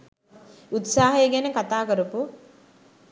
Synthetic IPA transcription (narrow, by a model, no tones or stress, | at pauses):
ut̪saːɦejɡænəkat̪aːkəɾupu